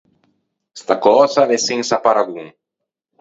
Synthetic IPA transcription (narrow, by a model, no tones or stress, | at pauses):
est̪akɔsaðesiŋsapaɾaɣuŋ